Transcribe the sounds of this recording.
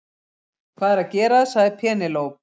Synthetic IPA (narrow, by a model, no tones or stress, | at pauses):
kʰvaːðɛɾaðcɛːɾaðsaɣðɪpʰɛːnɪloːwp̚